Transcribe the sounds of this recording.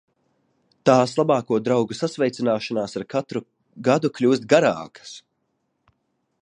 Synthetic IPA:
t̪aːslˠabaːkuɔd̪ɾawɡusasvʲɛjt̪sinaːʃanaːsaɾat̪ɾu | ɡad̪uklʲuːs̬t̪̚ɡaɾaːkɐ̥s

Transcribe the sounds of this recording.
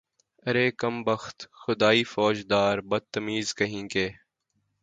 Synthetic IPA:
ɐɾeːkɐmbɐxt̪xʊd̪aːiːfɔːd͡ʒd̪aːɾbɐd̪̚t̪əmiːzkɐɦĩːkeː

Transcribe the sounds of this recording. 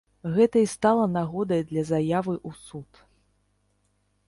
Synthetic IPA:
ɣɛt̪ɐist̪alˠɐnaɣɔd̪ɐjd̪lʲɐzajavɨʔusut̪

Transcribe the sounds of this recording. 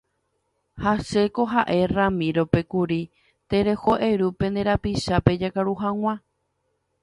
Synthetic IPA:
haʃe̞ko̞ɦaʔe̞ramĩɾo̞pe̞kuɾi | t̪e̞ɾe̞ho̞ʔeɾupẽ̞nd̪eɾapiʃape̞d͡ʒakaɾuɦãw̃ã

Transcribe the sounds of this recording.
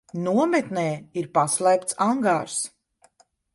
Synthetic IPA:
nuɔmɛt̪nɛːiɾpaslˠɛjpt̪saŋɡaːɾs

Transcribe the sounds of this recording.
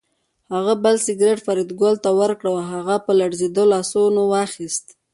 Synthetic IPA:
haɣabəlsɪɡɾeʈfaɾid̪ɡolt̪awəɾkɽawaɦaɣapəlaɽzed̪olɑsonowɑxist̪

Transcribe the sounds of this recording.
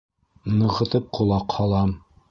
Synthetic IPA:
nɤ̆ʁɤ̆t̪ɤp̚qʰŏlˠɑqhɑlˠɑm

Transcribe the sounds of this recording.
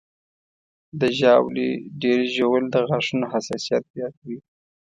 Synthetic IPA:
d̪əʒɑwliɖeɾiʒowəld̪əɣaʂunoɦasɑsijat̪̚zjɑt̪wi

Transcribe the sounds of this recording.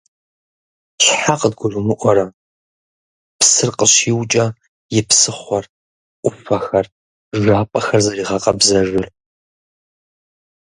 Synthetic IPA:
ɕħaqədɡʷʊrʊmʊʔʷɔɾɐ | psɨrqəɕiːwt͡ʃʼɐ | jɪpsɨχʷɔr | ʔʷʊfɐxɐr | ʒʷaːpʼɐxɐrzɐriːʁɐqɐbzɐʒʷʊr

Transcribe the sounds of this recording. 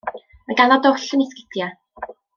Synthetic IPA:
maɡaladɔɬənɪskɪ̥dja

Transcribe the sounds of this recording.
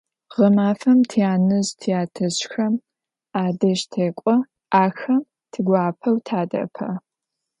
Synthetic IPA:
ʁɐmaːfɐmtʰijaːnɨztʰijaːtʰɐɕxɐm | aːdɐʃtʰeːkʷʼɔ | ʔaːxɐm | tʰɨɡʷaːpʰɐwtʰaːdɐ̰pʰɐ̰

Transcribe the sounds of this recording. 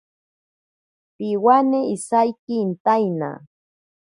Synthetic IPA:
pɪwanɪisajkɪːnt̪ajna̰

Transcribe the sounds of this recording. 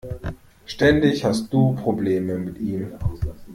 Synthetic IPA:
ʃtɛndɪçhast̚d̥uːpʁ̥obleːməmɪtʔiːm

